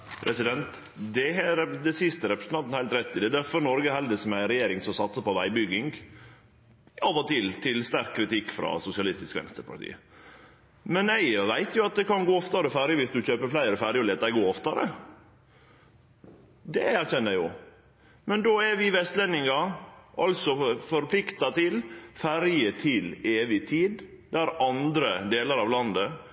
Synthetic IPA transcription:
pʰɾɛsɪd̪ɛnt̪ | d̪ɛɦɛd̪ɛsɪst̪əɾɛpɾə̥s̩ʰɑnt̪hæɪlt̪ɾɛt̪ːɪd̪ɛd̪æɾfɔɾnɔɾɡəhɛld̪əsɔmæɪɾɛjeːɾɪŋsɔsɑt̪səpɔʋæɪbʏɡɪŋɡ | ɑʋət̪ɪlt̪ʰɪlst̪æɾkʰkʰːɾɪt̪ɪkːfɾɑ̰sʊsɪɑlɪst̪ɪskʋɛ̰nst̪əɾpʰɑ̰ʈʰḭːə | mɛnæɪʋæɪt̪jʊɑt̪̚d̪ɛkɑnɡoːɔft̪ɑɾəfæːɾɪəʋɪsd̪ʉçøːpəɾflæɪəɾəfæːɾɪɔleːt̪æɡoːɔft̪ɑɾə̰ | d̪ɛæɾçɛnːəɾjʊ̰ | mɛnd̪oːæʋɪʋɛst̪lɛnːɪŋɑʔɑlsɔfɔɾpʰlɪkt̪ɑt̪ʰɪlfæɾjət̪ʰɪleːʋɪt̪ʰiːd̪ | d̪æɾɑnd̪ɾəd̪eːləɾɑʋlɑnd̪ə

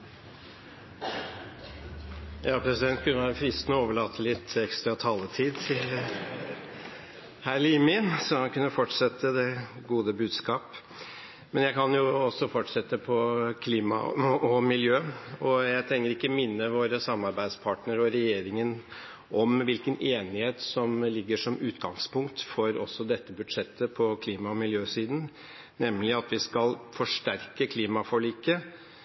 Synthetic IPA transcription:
jɑːpʰɾɛsɪd̪ɛnt̪̚kʰʉnːəʋæːɾəfɾɪst̪nɔoːʋəɭɑːt̪ʰːəlɪt̪ʰːɛkst̪ɾɑt̪ʰɑːlət̪ʰiːd̪ɪ | hæːɭiːmɪsɔhɑnkʰʉnːəfɔʈʂɛt̪ʰːəd̪ɛɡuːd̪əbʉːd̪skɑːp | mɛnjæɪkɑnjʊɔsːɔfɔʈʂɛt̪ːəpʰɔkʰliːmɑ̰ɔmɪljøːɔjæɪt̪ʰɾɛŋːəɾɪkːəmɪnːəʋoːɾəsɑmːɑɾbæɪd̪spʰɑːʈnəɾɔɾɛjeːɾɪŋən | ʔɔmʋɪlkəneːnɪheːt̪sɔmlɪɡːəʂɔmʉːt̪ɡɑŋspʊŋkt̪fɔɾɔsːɔd̪ɛt̪ːəbʉd̪ʂɛt̪ːəpʰɔkʰliːmɑɔmɪljøːsiːd̪n̩ | nɛmːlɪɑt̪ʋɪskɑlfɔʂʈæɾkəkʰliːmɑfɔɭiːkə

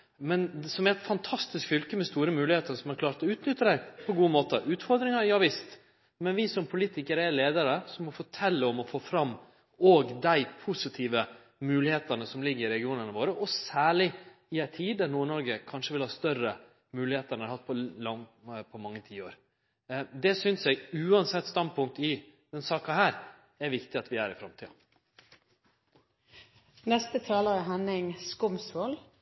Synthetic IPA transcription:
mɛnsɔmæɾɛt̪fɑnt̪ʰɑst̪ɪskfʏlkəmɛst̪uːɾəmʉːlɪheːt̪əɾsɔmhɑɾkʰlɑːɾt̪ɔʉːt̪nʏt̪ːəd̪æɪpʰɔɡuːəmoːt̪əʔʉːt̪fɔɾd̪ɾɪŋɑjɑːʋɪst̪ | mɛnʋɪsɔmpʰʊliːt̪ɪkəɾəɛleːd̪əɾəsɔmɔfɔʈʰɛlːəɔmɔfoːfɾɑmː | oːɡd̪æɪpʰʊsɪt̪ʰiːʋə | mʉːlɪheːt̪ənəsɔmlɪɡːəɾɪɾɛɡɪuːnənəʋoːɾəʔɔsæːɭɪɪæɪt̪ʰiːd̪d̪æɾnuːɳɔɾɡəkʰɑnʂəʋɪlhɑːst̪œɾə | mʉːlɪheːt̪ənəɑɾhɑt̪̚ːpʰɔlɑŋpʰɔmɑŋːət̪ʰiːoːɾ | d̪ɛsʏnsjɛɡʉːɑnsɛt̪ːst̪ɑnpʰʊŋk̚t̪ɪd̪̥ɛnsɑːkɑhæːɾ | æɾʋɪkt̪ɪɑt̪ʋɪæːɾɪfɾɑmt̪ʰiːɑ̰ | nɛst̪ət̪ʰɑːləəɦɛnɪŋskʊmsʋoːl

